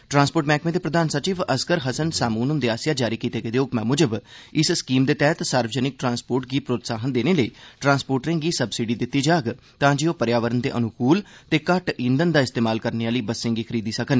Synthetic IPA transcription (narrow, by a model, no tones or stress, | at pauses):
ʈɾãːnspoːʈmɛːkʰmẽːd̪eːpɾəd̪aːnsət͡ʃiːʋəskəɾɦəsənsaːmuːnʊnd̪eaːsɪjaːd͡ʒaːɾiːkiːt̪eːɡəd̪eːʊkmɛ̃ːmʊd͡ʒəbɪsskiːmd̪eːt̪ɛːt̪saːɾʋd͡ʒənɪk̚ʈɾãːnspoːɾʈɡiːpɾoːt̪saːɦənd̪eːneːləiːʈɾãːnspoːʈɾẽːɡiːsəbsiɖiːd̪ɪt̪ːiːd͡ʒaːɡ | t̪ãːd͡ʒiːoːpəɾjaːʋəɾənd̪ḛːʔənʊkuːlt̪eːkəʈĩːnd̪ənd̪aːɪst̪eːmaːlkəɾneaːləiːbəsːɪ̃ŋɡiːkʰəɾiːd̪iːsəkən